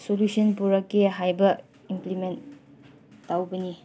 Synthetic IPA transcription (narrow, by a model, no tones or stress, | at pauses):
solusɔnpuɾɐkːiɦajbɐ | implimentː | awbɐni